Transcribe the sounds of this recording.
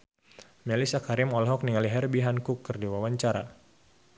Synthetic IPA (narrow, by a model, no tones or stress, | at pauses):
mɛlisakaɾimɔlɦɔk̚niŋaliɦɛrbiɦankukːərdiwawaɲt͡ʃaɾa̰